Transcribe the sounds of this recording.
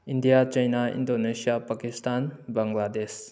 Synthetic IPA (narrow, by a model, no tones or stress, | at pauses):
indijat͡ʃɐjnaḭndonesijapakistanbaŋlades